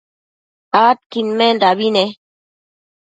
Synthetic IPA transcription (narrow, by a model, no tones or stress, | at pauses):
aːt̪̚kinmẽndabine